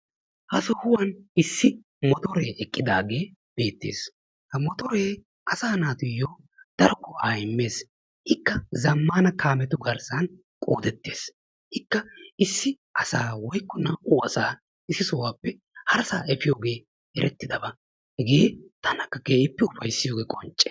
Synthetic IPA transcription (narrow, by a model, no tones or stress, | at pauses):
hɐsɔhʊwɐnɪsːɪ | mɔt̪ɔɾe̞ːʔɛkʼːɪd̪aːɡe̞ːb̥e̞ːt̪ːḛːs | hɐmɔt̪ɔːɾe̞ː | ʔɐsaːnaːt̪ʊjːoː | d̪̥ɐɾɔkːɔʔaːjɪmːe̞ːs | hɪkːɐzɐmːaːnɐkʰaːmɛt̪ʊɡɐɾsɐn | kʼo̰ːd̪ɛt̪ːe̞ːs | hɪkːɐɪsːɪ | ʔɐsaːwɔjkːɔnɐuːɐsaː | ɪsːɪsɔwaːpːɛ | hɐɾsaːɛfɪjoːɡe̞ː | ɛɾʔɛt̪ːɪd̪ɐbɐ | hɛɡe̞ːt̪ɐnɐkːɐɡeːʔɪpːɛʊfɐjsːɪjo̞ːɡeːkʼɔnt͡ʃʼːɛ